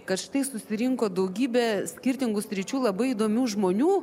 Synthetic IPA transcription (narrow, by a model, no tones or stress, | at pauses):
kɐt̪ʃɪ̥t̪ɐɪsʊsʲɪɾʲɪŋkoːd̪ɐʊɡʲiːbʲɛsʲkʲɪrʲt̪ʲɪŋɡʊsʲɾʲɪt͡ʃʲuːlˠɐbɐɪid̪oːmʲuːʒmoːnʲuː